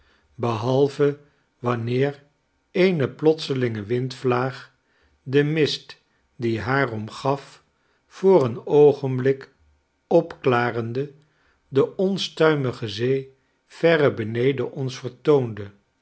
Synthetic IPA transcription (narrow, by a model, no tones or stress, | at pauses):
bəɦɑlˠvə | ʋɑnɪːɹ | ejnəplɔtsəlɪŋəʋɪntflaːχ | dəmɪst | diɦaːrɔmχɑf | fʊːrənowχənblɪk | ɔpklaːrəndə | dəɔnstœɥməχəzej | v̥ɛrəbənejdəʔɔnsfəɹtowndə